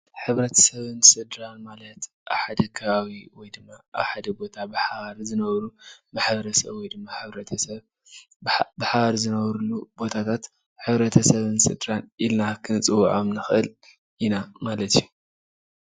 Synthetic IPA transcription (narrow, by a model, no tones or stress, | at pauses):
ħɨβɾɐt̪ʰɐ̥sɐβɨnsɨd̪ɾanmalɐt̪ | ʔa̰βħad̪ɐkʰɐβawiwɔjd̪ɨmːaa̰βħad̪ɐbo̞t̪ʰabɨħaβaɾzɨnɐβɾumaħbɐɾɐsɐ̰βwɔjd̪ɨmːaħɨβɾɐt̪ʰɐsɐβ | bɨħaβaɾzɨnɐβɾulubo̞t̪ʰat̪ʰat̪ | ħɨβɾɐt̪ʰɐsɐβɨnsɨ̰d̪ɾanilnakʰɨnɨt͡sʼɨwa̰ʕamnɨxʔɨl | inamalɐt̪ju